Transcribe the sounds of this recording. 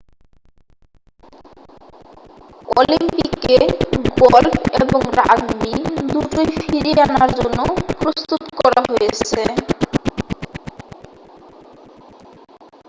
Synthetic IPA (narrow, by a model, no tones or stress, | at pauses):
o̰limpikːeɡɔlbʰeboŋɾaɡbid̪uʈojfiɾianaɾd͡ʑonːopɾost̪ut̪kɔɾaɦojet͡ɕʰe